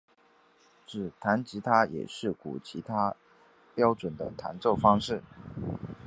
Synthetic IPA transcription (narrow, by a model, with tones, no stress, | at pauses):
t͡sɹ̩˨˩t̪ʰa˧˥nt͡ɕi˧˥t̪ʰa˥jɛ̰˨˩ʂɻ̩˥˩kṵ˨˩t͡ɕʰi˧˥t̪ʰa˥ | pjɑ˥ʊʈ͡ʂwə˨˩nd̪ə̰˦t̪ʰa̰˧˥nt͡so˥˩ʊfɑ˥ŋʂɻ̩˥˩